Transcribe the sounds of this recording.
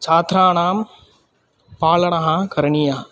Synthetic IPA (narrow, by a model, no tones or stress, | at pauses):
t͡ʃaːt̪ɾaːnaːm | paːlɐɳɐɦãkɐɾɐɳijaː